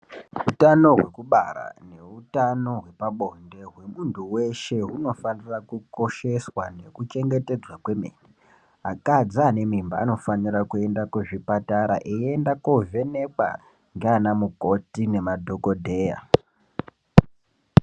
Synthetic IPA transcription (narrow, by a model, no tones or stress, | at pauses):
ɦutano̞ɦwe̞kuɓara̰ne̞utano̞ɦwe̞paɓo̞nde̞ɦwe̞muntuwe̞ʃe̞ɦuno̞fanirakuko̞ʃe̞swane̞kut͡ʃe̞ŋɡe̞te̞d͡zwakwe̞mḛːni | akad͡zane̞mimba̰ːno̞fanirakue̞ndakuʐipataɾa̰ʔeendakove̞ne̞kwa̰ | ŋɡeanamuko̞tine̞madʱo̞kodʱe̞ːja̰